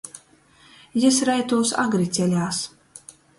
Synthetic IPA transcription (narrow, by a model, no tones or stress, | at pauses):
jɛsɾajt̪uːsa̰ɡɾit̪sʲɛlʲaːs